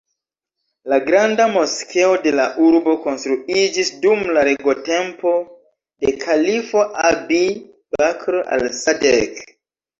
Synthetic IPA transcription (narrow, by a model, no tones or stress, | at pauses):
laɡɾandamoskʰeode̞laʔuɾbo̞konstɾuid͡ʒisdumlaɾeɡo̞tempo̞ | dekʰalifoʔabi | bakɾoʔa̰lsadek